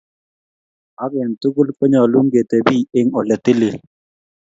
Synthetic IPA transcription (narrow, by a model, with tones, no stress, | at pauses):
a˦ɡɪ˨nt̪u˦ɡʊ˦lkɔ˦ɲɔ˨lu˦ŋɡe˨t̪e˨biː˦˨ɪ˦ŋɔ˨lɛ˨t̪ɪ˦le˨l